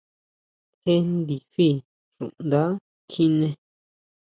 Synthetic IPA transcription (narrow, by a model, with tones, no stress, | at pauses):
xe˦nd̪i˨ɸi˦˨ | ʐṵ̃˨nd̪a˦ | kʰi˦˧nẽ˧